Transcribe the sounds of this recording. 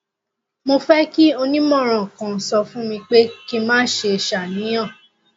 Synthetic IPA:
mo˧fɛ˦ki˦o˧nĩ˦mɔ̃˦˨ɾ̃ã˨kã˨n̩˨sɔ˧fũ˦mĩ˧k͡pe˦ki˦mãː˦ʃe˧˨ʃa˨nĩ˨˦j̃ã˦˨

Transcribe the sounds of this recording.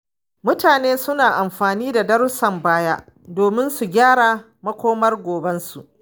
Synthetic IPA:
mʊ˦taː˨neː˦sʊ˦naː˨ʔa˨mɸaː˨niː˦da˨dɐ˦ɾʊ˦sɐ˨mbaː˦jaː˦ʔ | doː˨mɪ˦nsu˨ɡʲaː˦ɽaː˨ | mɐ˦kʷoː˦mɐ˦rɡʷoː˨bɐ˦nsu˨ʔ

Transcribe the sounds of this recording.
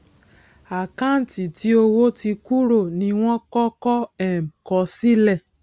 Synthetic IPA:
a˨kã˦n̩˨ti˨ti˨˦o˧wo˦ti˧ku˦ɾo˦˨nĩ˧w̃ɔ̃˦kɔ˦kɔ˦ɛ˦˨m̩˨kɔ˧˦si˦lɛ˦˨

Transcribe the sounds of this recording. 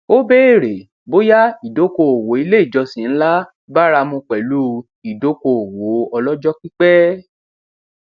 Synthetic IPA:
o˦be˦e˦˨ɾe˨ | bo˦ja˦i˨do˨˦ko˧˨o˨wo˨˦i˧le˦i˦˨d͡ʒɔ˧sĩ˨n̩˦la˦ | ba˦ɾa˧mũ˧k͡pɛ˨lu˦ | i˨do˨˦ko˧˨o˨wo˨˦ɔ˧lɔ˦d͡ʒɔ˦ki˦k͡pɛ˦

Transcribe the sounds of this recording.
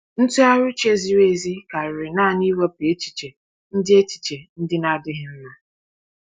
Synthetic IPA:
n̩˦tu˦a˦ɾʊ˦t͡ʃe˦zi˨ɾe˦˨zi˦ka˨ɾɪ˨ɾɪ˨naː˦˨ni˦ɾɔ˦pi˨e˦t͡ʃi̥˨t͡ʃe˨ | n̩˦dɪ˦e˦t͡ʃi̥˨t͡ʃe˨n̩˦dɪ˦na˦dɪ˦ɦɪ˦m̩˦ma˦

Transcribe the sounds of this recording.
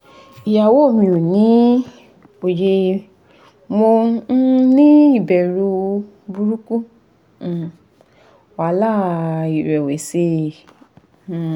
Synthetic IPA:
i˨ja˨wo˦˨mĩ˨o˨nĩ˨˦ | o˨je˧ | mo˧˦ | nĩ˦i˦˨bɛ˨ɾu˧ | bu˧ɾu˦ku˦˨ | wa˨˦la˦˨i˨ɾɛ˨we˨˦se˧˨

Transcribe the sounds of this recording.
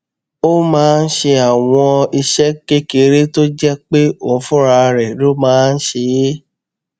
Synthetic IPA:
o˦mãː˦˧n̩˦ʃe˧a˨w̃ɔ̃˧i˧ʃɛ˦ke˦ke˧ɾe˦to˦d͡ʒɛ˦k͡pe˦õ˨˦fũ˦ɾa˧ɾɛ˨lo˦mãː˦n̩˦ʃe˧je˦

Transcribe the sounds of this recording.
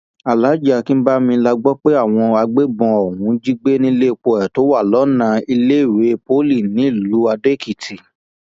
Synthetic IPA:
a˨la˨˦d͡ʒa˧˨ki˦n̩˦ba˦mĩ˧la˧ɡ͡bɔ˦k͡pe˦a˦˨w̃ɔ̃˧a˧ɡ͡be˦bɔ̃˧o˨wũ˨˧˦d͡ʒi˦ɡ͡be˦nĩ˦˧le˦˨k͡po˧ɛ˨to˨˦wa˦˨lɔ˨˦nã˧i˧le˦i˦˨ɾe˨˦po˦li˦˨nĩ˨˦˨lu˨˦a˧de˦˨ki˨tʰi˨

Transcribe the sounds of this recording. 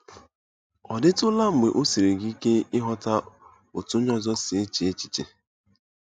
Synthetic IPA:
ɔ˨dɪ˦tʊ˦la˦ŋ͡m̩˨ɡ͡be˨ʔo˦si˨ɾe˨ɡi˦ke˦ɪ˦ɦɔ˦ta˦ | o˨tʊ˦ɲɔ˦zɔ˦sɪ˨e˦t͡ʃe˨e˦t͡ʃi̥˨t͡ʃe˨

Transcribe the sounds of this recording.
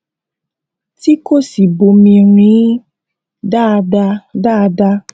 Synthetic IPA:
ti˦ko˦˨si˨bo˨mĩ˧ɾ̃ĩ˨˦ | da˦˨˧da˧da˦˨˧da˧

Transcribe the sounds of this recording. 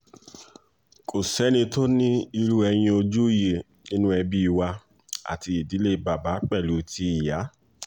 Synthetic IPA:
kʰo˨sɛ˨˦nĩ˧to˦nĩ˦i˧ɾu˦ɛ˧j̃ĩ˧o˧d͡ʒu˦je˨ | nĩ˦nũ˦ɛ˧bi˦i˧wa˧ | a̰˨ti˧i˨di˨˦le˦˧ba˨ba˨˦k͡pɛ˦˨lu˨˦ti˧˦i˨ja˨˦

